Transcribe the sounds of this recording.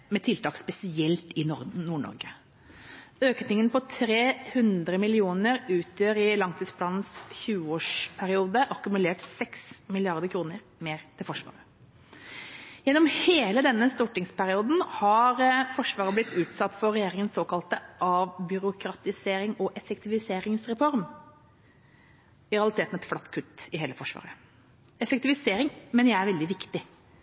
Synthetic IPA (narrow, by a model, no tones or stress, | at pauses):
mɛt̪ʰɪlt̪ʰɑːkspɛsɪɛlt̪ɪnɔnuːɳɔ̰ɾɡə | øːknɪŋənpʰɔt̪ʰɾeːhʉnd̪ɾəmɪlɪuːnəɾʉːt̪ʰjøːɾɪlɑŋt̪ʰiːspʰlɑːnn̩sçʉːəoːʂpʰæɾɪuːd̪əʔɑkʉmʉleːʈsɛksmɪlɪɑɾd̪əɾkʰɾuːnəɾ | meːɾt̪ʰɪlfɔʂʋɑ̰ːɾə | jɛnːɔmheːləd̪ɛnːəst̪uːʈɪŋspæɾɪuːd̪n̩hɑɾfɔʂʋɑːɾəblɪt̪ːʉːt̪sɑt̪ːfɔɾɛjeːɾɪŋənsoːkɑlt̪əʔɑʋbʏɾʊkʰɾɑt̪ɪseːɾɪŋɔʔɛfəkt̪ɪʋɪseːɾɪŋsɾɛfɔɾm | ɪɾɛɑlɪt̪ʰeːt̪nɛt̪flɑt̪ːkʰʉt̪ːɪɦeːləfɔʂʋɑ̰ːɾə | ɛfək̚t̪ɪʋɪseːɾɪŋmɛnjæɪæɾʋɛld̪ɪʋɪkt̪ɪ